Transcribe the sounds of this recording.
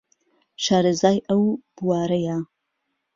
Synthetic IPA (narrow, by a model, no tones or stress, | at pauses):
ʃaːɾɨzaːjʔɐwb̥uwaːɾɐja